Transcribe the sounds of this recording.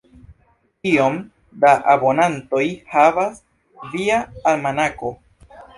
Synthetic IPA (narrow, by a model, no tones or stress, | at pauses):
io̞m | daʔabo̞nanto̞jhavas | viaːlmanako̞